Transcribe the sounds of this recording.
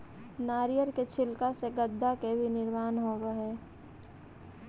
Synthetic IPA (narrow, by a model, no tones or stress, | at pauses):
naːɾijəɾket͡ʃʰɪlkaseɡəd̪ʱːakebʱinɪɾmaːnɦoːɡeɦɛː